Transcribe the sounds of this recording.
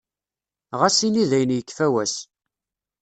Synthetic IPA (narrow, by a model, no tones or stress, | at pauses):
ʁæsiniðæjnjəkːfæwæs